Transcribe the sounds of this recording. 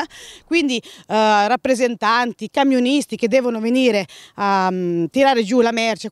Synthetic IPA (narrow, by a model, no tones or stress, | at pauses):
kwind̪irapːɾezent̪ant̪ikamjonist̪ik̟ed̪ːɛːvonoveniːɾeat̪ːiɾaːɾed͡ʒulamɛrt͡ʃa